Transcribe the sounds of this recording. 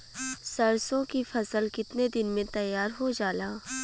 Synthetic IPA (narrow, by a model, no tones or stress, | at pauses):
sɐɾsõkifɐsəlkɪt̪ned̪ɪnmẽt̪ɐjːaːɾɦod͡ʒaːlaː